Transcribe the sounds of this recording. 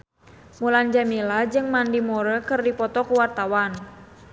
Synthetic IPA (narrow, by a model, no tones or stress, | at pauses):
muland͡ʒamilad͡ʒɨŋmandimoɾəkɨrdipɔt̪ɔkuwart̪awan